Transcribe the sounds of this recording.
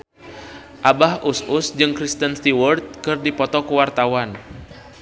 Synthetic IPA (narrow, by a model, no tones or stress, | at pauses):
ʔabahusʔusd͡ʒɨŋkɾist̪ənst̪iwɔrt̪̚kɨrdipɔt̪ɔkuwart̪awan